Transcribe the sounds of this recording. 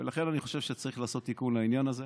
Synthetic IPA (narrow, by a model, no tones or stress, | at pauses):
velaχe̞naniχo̞ʃevʃet͡saʁiχlaːso̞t̪ːikunlainjanaze